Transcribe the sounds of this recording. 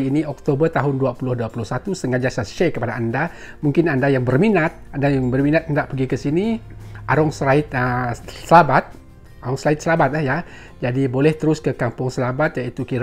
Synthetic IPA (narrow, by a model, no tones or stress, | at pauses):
iːniɔk̚t̪obərt̪aɦʊnduapulʊhduapulʊhsat̪usəŋad͡ʒasaʃɛkəpadaːnda | muŋkɪnandajaŋbərminat̪̚andajaŋbərminat̪̚əndaʔpəɡikəsiniʔaɾɔŋsəɾaɪt̪̚əsəlabat̪̚ | aɾɔŋsəlaɪt̪̚səlabat̪̚lahja | d͡ʒadibolɛht̪əɾʊskəkampʊŋsəlabat̪̚jait̪ukiɾ